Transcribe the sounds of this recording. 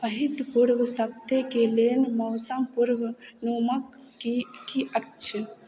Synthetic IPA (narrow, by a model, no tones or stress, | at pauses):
pəɦit̪puɾʋsəb̚t̪ekelenməːsãpuɾʋnuməkː | kiʔək̚t͡ʃʰə